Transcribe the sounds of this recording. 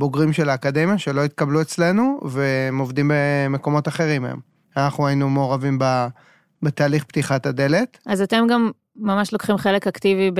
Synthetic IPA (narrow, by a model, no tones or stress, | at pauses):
boɡʁimʃelaːkad̪e̞mjaʃe̞lo̞it̪̚kabluet͡sle̞nuve̞movd̪imbemeko̞mo̞t̪aχe̞ʁimḛm | anaχnuainumeoʁavimba | bet̪aːliχpt̪iχat̪ad̪e̞le̞t̪ʔazat̪e̞mɡamː | amaʃlokχimχe̞le̞kaktivib